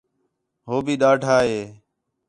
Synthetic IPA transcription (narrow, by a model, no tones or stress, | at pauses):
ɦoːbiːɗaːɖʱaːɦeː